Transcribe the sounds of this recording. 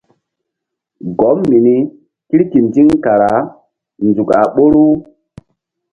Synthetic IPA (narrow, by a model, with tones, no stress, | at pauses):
ɡo˨˦mːi˨ni˦ | ki˦ɾki˨mti˦ŋka˨ɾa˨˦ | nd͡zu˨ka˨ɓo˦ɾu˦